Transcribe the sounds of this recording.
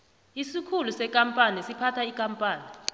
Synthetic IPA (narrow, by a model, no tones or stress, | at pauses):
isikʰulusɛkʼampʼanisipʰatʰaikʼampʼaːni